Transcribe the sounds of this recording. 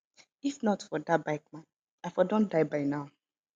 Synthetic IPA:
ifnɔtfɔdabaɪk̚mãn | afɔdõndaɪbaɪnaʊ

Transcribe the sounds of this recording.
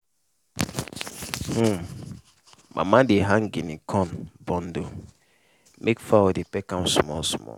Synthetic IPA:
hũm | mʔa̰mãdeɦaŋ̩ɡinikʰɔnbɔn̩do | mʔekfawɔdipɛkam̩smɔlsmɔ̰

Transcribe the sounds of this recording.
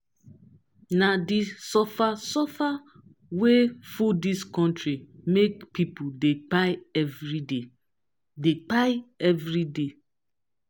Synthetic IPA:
nadisɔfasɔfa | wefudiskɔ̃ntɹimekpʰipudek͡paɪɛvɹide | dek͡paɪɛvɹide

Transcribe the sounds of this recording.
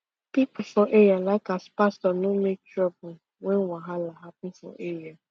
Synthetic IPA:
pipʊfɔʔeɹialaɪkaspastɔnomek̚tɹɔbʊ | wɛ̃nwaɦalaɦapɪ̃n̩fɔ̰ʔeɹia

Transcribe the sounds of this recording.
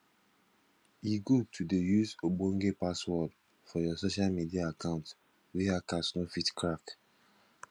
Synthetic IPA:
jiɡotʰudejuzobõŋɡepaswɔd | fɔjɔsoʃalmidiaakãʊ̃nt | wiɦakasnofitkʰɹak

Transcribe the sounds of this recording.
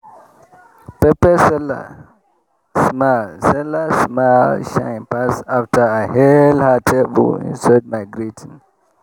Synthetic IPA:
pɛpəsɛla̰ | smasɛləsmalʃãɪ̃npasaftʰəahɛldhətʰebə̰lḭ̃nsad̚maɪɡɹitʰĩn

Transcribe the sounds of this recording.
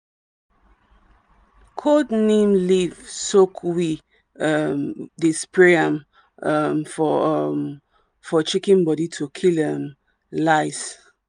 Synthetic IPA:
kʰodnẽmlivsokʰwi | ʌmdispɹeãm | mfɔm | fɔt͡ʃikĩnbɔditʰukʰilɛm | laɪs

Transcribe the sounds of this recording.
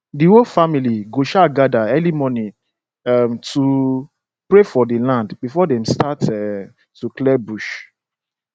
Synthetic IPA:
diwofamiliɡoʃaɡadaɛlimɔnĩ | mtu | pɾefɔdilãndbifɔdɛ̃mstatɛ | tuklɛbuʃ

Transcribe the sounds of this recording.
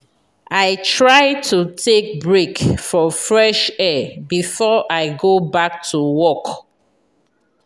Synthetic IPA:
aɪtʰɹaɪtʰutʰek̚bɹekfɔfɹɛʃɛbifɔʔaɪɡobak̚tʰuwɔk

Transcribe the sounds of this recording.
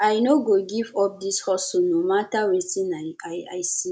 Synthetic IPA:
ajnoɡoɡivɔp̚d̪ishɔsonomatawetinajaja̰jsi

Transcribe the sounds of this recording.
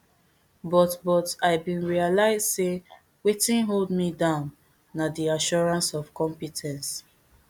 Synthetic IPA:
bɔtbɔtaɪbĩnɹialaɪz̥se | wetĩnɦoldmidãʊ̃n | nadiaʃɔɹãnsɔvkɔ̃mpitʰɛ̃ns

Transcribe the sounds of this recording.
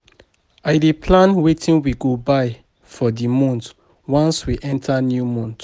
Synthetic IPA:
aɪdepʰlãnwetʰĩnwiɡobaɪ | fɔdimɔ̃nt | wãnswiʔɛ̃ntʰanjumɔ̃nt

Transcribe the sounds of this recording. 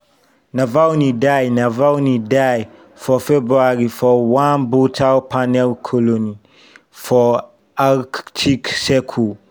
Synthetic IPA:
navawnidajnavawnidaj | fɔfebɹuaɹifɔwãnbotʰawpʰanɛlkʰɔlõni | fɔ | aktʰiksɛkʰu

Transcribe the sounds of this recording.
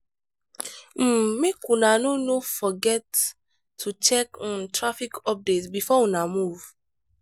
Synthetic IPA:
m̩mekunanonofɔɡɛtʰː | ut͡ʃɛk̩tɾafikɔp̚detsbifɔũnamuv̥

